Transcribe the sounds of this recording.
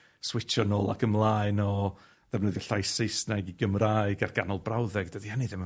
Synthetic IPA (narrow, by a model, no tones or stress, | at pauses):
swɪt͡ʃʰɔnɔːlˠakəmlˠaːɨnɔ | ðɛvnəðjɛɬajsɪjsnaɡiɡəmraːɨɡarɡ̥anɔlˠbrawðɛɡdədihaniðɪm